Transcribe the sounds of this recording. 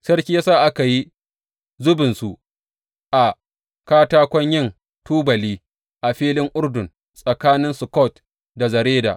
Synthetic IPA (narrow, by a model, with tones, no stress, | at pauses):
sɐ˦rkʲiː˦jaː˦saː˦˨ʔa˦ka˨ji˦ | zʊ˦bɪ˨nsu˨ʔ | ʔa˨ | kaː˦taː˦kʷɔ˦ɲjɪ˦˨n | tuː˦bɐ˨liː˦ | ʔa˨ɸiː˦lɪ˦ŋʔʊ˦rdʊ˨n | sʼɐ˨kaː˦nɪ˦nsʊ˨kɔ˦˨t | da˨zɐ˨ɾeː˦da̰˨ʔ